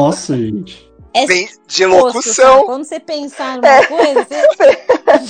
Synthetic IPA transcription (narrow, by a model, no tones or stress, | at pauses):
ɔsɐʒẽt͡ʃɪ | vẽj̃ | d͡ʒelokusɐ̃w̃ɐ̃d̪sepẽsaɛzpe